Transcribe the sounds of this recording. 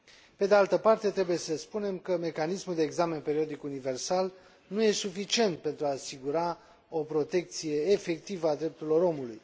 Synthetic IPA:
pe̞d̪e̞alt̪əpart̪e̞t̪ɾe̞buje̞səspune̞mkəme̞kanismuld̪e̞ːɡzame̞npe̞ɾiod̪ikunive̞rsal | nuje̞sufit͡ʃie̞nt̪̚pe̞nt̪ɾuaːsiɡuɾa | o̞pɾo̞t̪e̞k̚t̪sije̞ːfe̞k̚t̪ivəad̪ɾe̞p̚t̪uɾilo̞ɾo̞muluj

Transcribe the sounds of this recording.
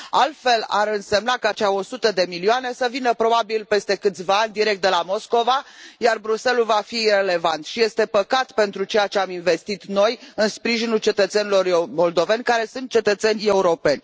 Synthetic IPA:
a̰lt̪fe̞la̰ɾɨnse̞mnakat͡ʃeao̞sut̪əd̪e̞milioane̞səvinəpɾo̞babilpe̞st̪e̞kɨt̪sʲvaanʲd̪iɾekt̪d̪e̞lamo̞sko̞vajarbɾuse̞lulvafire̞le̞vant̪ʃije̞st̪e̞pəkat̪pe̞nt̪ɾut͡ʃe̞jat͡ʃeaminve̞st̪it̪no̞jɨnspɾiʒinult͡ʃe̞t̪ət̪senilo̞ɾmo̞ld̪o̞ve̞nʲkaɾe̞sunt̪̚t͡ʃe̞t̪ət̪se̞nʲe̞uɾo̞pe̞nʲ

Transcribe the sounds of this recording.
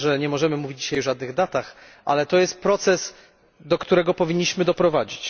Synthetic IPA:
ʐɛɲɛmɔʐɛmɘmuvʲid͡ʑd͡ʑi̥ɕajvʐad̪nɘɣd̪at̪ax | ʔa̰lɛt̪ɔjɛst̪̚pɾɔt̪sɛs | d̪ɔkt̪uɾɛɡɔpɔvʲiɲːiɕmɘd̪ɔpɾɔvad͡ʑit͡ɕ

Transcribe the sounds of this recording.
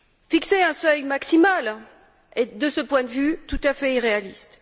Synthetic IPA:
fikseɛ̃sœjmaksimal | ed̪əsəpwɛ̃d̪əvyt̪ut̪afɛiʁealist̪

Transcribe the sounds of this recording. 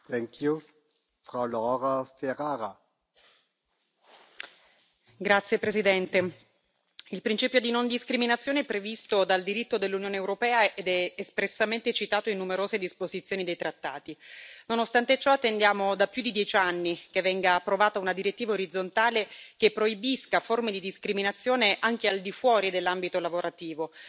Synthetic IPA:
t̪ɛŋkʰju | fɾawlɔɾafeɾaːɾa | ɡɾat̪sjepɾesid̪ɛnt̪e | ilpɾint͡ʃiːpjod̪inond̪iskɾiminat̪sːjoːneɛpːɾevist̪od̪ald̪iɾit̪ːod̪elːunjoːneːwɾopɛːaed̪ɛːspɾesːament̪et͡ʃit̪aːt̪oinːumeɾoːzed̪ispozit̪sjoːnid̪ejt̪ɾat̪ːa̰ːt̪inonost̪ant̪et͡ʃɔat̪ːend̪jaːmod̪apːjud̪id̪jɛt͡ʃanːikevːɛŋɡaːpːɾovaːt̪aunad̪iɾet̪ːiːvaoɾid̪zːont̪aːlekepːɾoibiskaformed̪id̪iskɾiminat̪sːjoːneʔaŋkeald̪ifwɔːɾid̪elːambit̪olavoɾat̪iːvo

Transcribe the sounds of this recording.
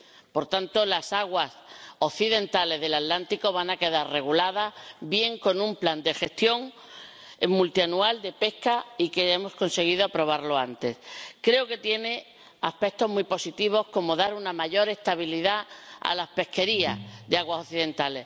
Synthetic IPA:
po̞ɾt̪ant̪o̞lasaɣwaso̞θiðẽ̞nt̪ale̞zðe̞lat̪lant̪iko̞β̞anake̞ðaɾre̞ɣ̞ulaðabje̞ŋko̞nũmpland̪e̞xe̞st̪jo̞ŋ | mult̪ianuald̪e̞pe̞hkaikee̞mo̞sko̞nse̞ɣ̞iðo̞apɾo̞β̞aɾlo̞ant̪e̞skɾe̞oke̞t̪je̞ne̞ | ahpe̞k̚t̪o̞ɦmuipo̞sit̪iβ̞o̞hko̞mo̞ðaɾunamaʝo̞ɾe̞st̪aβ̞iliðaa̰laspe̞hke̞ɾiasðe̞aɣwasoθiðe̞nt̪ale̞s

